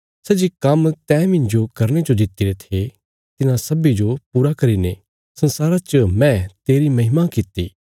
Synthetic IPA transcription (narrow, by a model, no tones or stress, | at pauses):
sɛːd͡ʒikɐmt̪ɛ̃ːmɪ̃ɲd͡ʒokɐɾɽ̃ed͡ʒod̪ɪt̪ːiɾet̪ʰe | t̪ɪnãsɐbid͡ʒopuːɾakɐɾine | sɐ̃nsaːɾat͡ʃəmɛ̃t̪eːɾimɐɦɪmakɪt̪ḭː